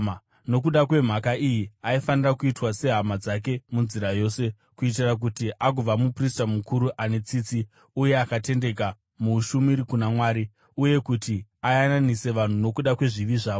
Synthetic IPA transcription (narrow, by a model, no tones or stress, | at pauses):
no̞k̬uɗakwe̞m̤akaijiaifanirakuitwase̞ɦamad͡zak̬e̞munziɾajo̞ːse̞ | kuit̬irak̬utiʔak̬ub͡vamupristamukuɾuʔanet͡sit͡si | uje̞akate̞nde̞ka | muʃumiɾikunamwaːɾi | uje̞kutiajananise̞ʋan̤uno̞kuɗakwe̞ʐiʋiʐaːo